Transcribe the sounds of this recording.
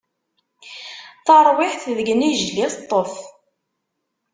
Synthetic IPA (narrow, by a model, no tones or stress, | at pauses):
θɑɾˤwɪħθðəɡniʒlist̪ˤːof